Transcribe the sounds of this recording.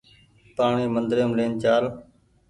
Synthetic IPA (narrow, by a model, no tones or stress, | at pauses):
paːɳiːmənd̪ɾeəmleːnt͡ʃaːl